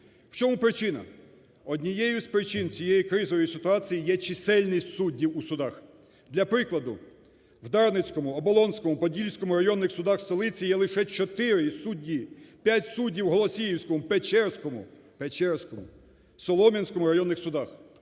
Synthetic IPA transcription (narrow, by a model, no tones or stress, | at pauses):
w̥t͡ʃɔmupɾɪt͡ʃɪnɐ̰ | ɔdʲnʲijɛjʊspɾɪt͡ʃɪnt͡sʲijɛjikɾɪzɔʋɔjisɪt̪ʊɑt͡sʲijijɛt͡ʃɪsɛlʲnisʲtʲsudʲːiwusʊd̪ɑx | d̪lʲɐpɾɪklˠɐd̪ʊ | wd̪ɑrnɪt͡sʲkɔmʊɔbɔlˠɔnsʲkɔmʊpɔdʲilʲsʲkɔmʊɾɐjɔnːɪxsʊd̪ɑxst̪ɔlˠɪt͡sʲijɛlˠɪʃɛt͡ʃɔt̪ɪɾɪsudʲːipʲjatʲsudʲːiwɦɔlˠɔsʲijiwsʲkɔmʊpet͡ʃɛrsʲkɔmʊ̰ | pet͡ʃɛrsʲkɔmʊ̰ | sɔlˠɔmʲɐnʲsʲkɔmʊɾɐjɔnːɪxsʊd̪ɑx